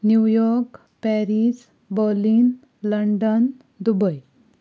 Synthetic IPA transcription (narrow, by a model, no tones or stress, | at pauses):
njujɔɾk | pɛɾis | bəɾliːn | ləɳɖən | d̪ubəj